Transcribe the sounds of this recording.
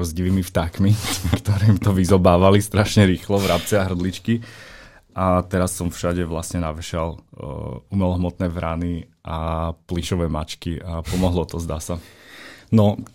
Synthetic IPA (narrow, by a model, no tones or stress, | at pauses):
ɔzɟiʋiːmift̪akmikt̪ɔɾiːmt̪ɔʋizɔbaːʋalist̪ɾaʃɲɛɾiːxlɔʋɾap̚t͡sɛaɦr̩d̪lit͡ʃki | ʔat̪ɛɾasːɔmfʃaɟɛʋlasɲɛnaʋɛʃal̰ | umɛlɔɦmɔt̪nɛːvɾaniʔapliʃɔʋɛːma̰t͡ʃkiapɔmɔɦlɔt̪ɔzd̪a̰ːsa | nɔ